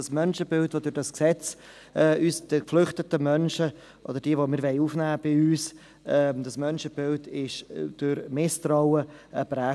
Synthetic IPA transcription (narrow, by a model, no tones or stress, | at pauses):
ɑsmœnʃəbɪltvodʊɾdɑsksɛt͡s | ɛːʔyːsd̥əkflʏχtətəmœnʃə | ʔo̰d̥̪əɾd̥iːəvomɪːɾʋɛɪuːfnæːb̥ɪyːs | ɛːd̥̪ɑsmœnʃəb̥ɪldɪʃd̥ʊɾmɪst̪raʊəəbɾæː